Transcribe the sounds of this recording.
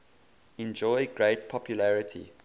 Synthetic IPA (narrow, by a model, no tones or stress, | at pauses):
ɛ̃nd͡ʒɔɪɡɹet̚pʰɔpʰjulæɹɪtʰḭ